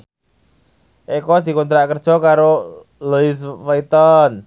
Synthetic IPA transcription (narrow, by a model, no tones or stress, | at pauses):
ʔikɔd̪̥i̤kont̪ɾaʔkərd̥ʒ̥ɔ̤kaɾo | luɪsfait̪ɔn